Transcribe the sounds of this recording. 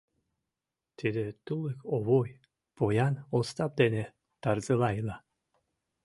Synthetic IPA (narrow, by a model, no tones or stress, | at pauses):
t̪id̪et̪ulˠekoβoj | pojɑnost̪ɑp̚d̪ene | t̪ɑɾzɯlɑjlɑ